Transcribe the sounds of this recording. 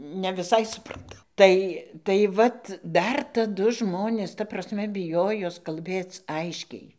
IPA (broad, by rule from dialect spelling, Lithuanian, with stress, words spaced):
nʲɛ ʋʲɪˈsɐɪ sʊprɐˈtɐʊ ˈtɐɪ tɐɪ ˈʋɐt ˈdɐr tɐˈdʊ ˈʒmoːnʲeːs tɐ prɐsʲˈmʲɛ bʲɪˈjoːjoːs kɐlʲˈbʲeːt͡s ˈɐɪʃʲkʲɛɪ